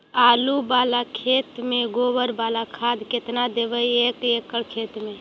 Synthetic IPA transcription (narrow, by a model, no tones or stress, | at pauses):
alubalakʰet̪mẽɡobəɾbalakʰad̪ʱket̪nad̪ebəjekekːəɽkʰet̪mẽ